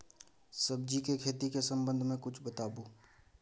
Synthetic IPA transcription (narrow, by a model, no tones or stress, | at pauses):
səb̚d͡ʒikekʰeːt̪ikesə̃mbə̃nd̪ʱmẽkʊt͡ʃʰbət̪aːbuː